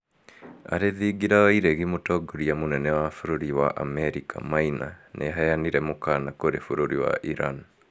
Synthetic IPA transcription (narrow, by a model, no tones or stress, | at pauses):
a̰ɾeðiɡiɾaaiɾɛɣimotɔɡoɾiamonɛnɛwafoɾoɾiwaʔamɛɾikʰa̰mainanʔeɦajaniɾɛmokanakoɾefoɾoɾiwa̰ʔiɾan